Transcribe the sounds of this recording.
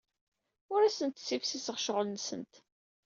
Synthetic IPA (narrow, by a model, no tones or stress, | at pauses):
ʊɾæsənt̪sifsisəʁʃʁəlnsə̰nt̪